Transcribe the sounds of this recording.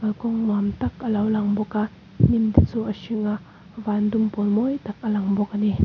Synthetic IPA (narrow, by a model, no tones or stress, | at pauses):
kɐlkɔŋmamt̪ɐkʔəlɐwlaŋbɔka | nimd̪it͡suːʔəsiŋaʔ | vaːnd̪umpɔlmɔjt̪ak̚əlaŋbɔk̚ani